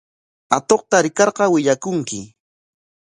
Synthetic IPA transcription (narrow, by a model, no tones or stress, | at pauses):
at̪oqt̪aɾɪkɑɾɢɑwɪʎakʊŋkɪ